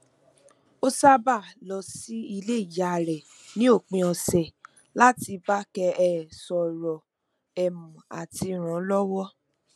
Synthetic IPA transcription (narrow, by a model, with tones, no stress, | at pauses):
o˦sa˦ba˦˨lɔ˨si˨˦i˧le˦i˦˨ja˨ɾɛ˨ | nĩ˨˦o˦˨k͡pĩ˧ɔ˧sɛ˨ | la˦ti˧ba˦kɛ˧ɛ˦˨sɔ˨ɾɔ˨ | ɛ˨m̃ũ˨a̰˨ti˧ɾ̃ã˨˦lɔ˦wɔ˦